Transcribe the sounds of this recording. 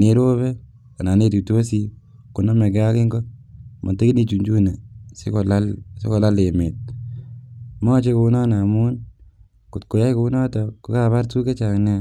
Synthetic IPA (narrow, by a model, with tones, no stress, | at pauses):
ne˨˦ɾo˦βɛ˦ | ka˨na˨ne˦tu˨to˦si˦ | kʊ˨nɔ˦me˨ɡa˦kɪ˦ŋɡɔ˦mʔa̰˨te˦ki˦ni˨t͡ʃu˨ɲd͡ʒu˦ne˨sɪ̰˦kɔ˨lalse˦kɔ˨la˦le˨mɪ˨t̚ | mɔ˦t͡ʃe˦kʊ˨˦nɔ˦na˨mʊ˦n | kʊ˨tko˨ja˦jkʊ˨˦nɔ˦tɔkʊ˦ka˦βa˦ɾtu˦ke˦t͡ʃa˨ŋne˦